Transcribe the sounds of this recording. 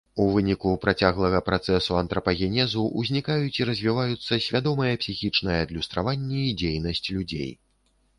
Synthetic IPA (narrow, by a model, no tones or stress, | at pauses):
uvɨnʲikupɾat͡sʲaɣlˠɐɣɐpɾat̪sɛsuɐnt̪ɾɐpɐɣʲɛnʲɛzuʔːzʲnʲikajut͡sʲiɾɐzʲvʲivajut̪sːɐsʲvʲad̪ɔmɐjɐpsʲixʲit͡ʂnɐjɐːd̪lʲust̪ɾavanʲːɛid͡zʲejnɐsʲt͡sʲlʲud͡zʲḛj